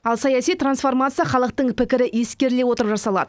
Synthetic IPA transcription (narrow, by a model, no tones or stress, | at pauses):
ɑlˠsɑjɑsijt̪ransfo̞rmat̪sɨjaχɑlˠəq̚t̪əɴpɪkʲɪɾɪje̞skʲe̞ɾle̞wo̞t̪əɾəpʒɑsɑlˠɑ̰d̪ə